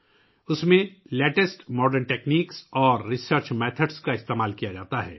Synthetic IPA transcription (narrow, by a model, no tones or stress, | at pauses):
ʊsmẽleːʈesʈmɔːɖəɾnʈeːkniːksɔːɾːɪsəɾt͡ʃmeːt̪ʰəɖskaɪst̪eːmaːlkijad͡ʒaːt̪aɦɛ̰ː